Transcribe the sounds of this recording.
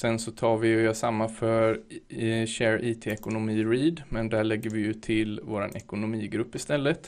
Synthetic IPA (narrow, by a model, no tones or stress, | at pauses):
sɛnsɔt̪ʰɑːɾvɪjɑsamːafœɾ | ɕæːɾʔiːt̪ʰeːɛkʊnʊmiːɾiːd̪mɛnd̪æɭɛɡːəɾvɪjɵt̪ʰɪlvo̰ːɾa̰nɛkʊnʊmiːɡɾɵpːɪst̪ɛlːət̪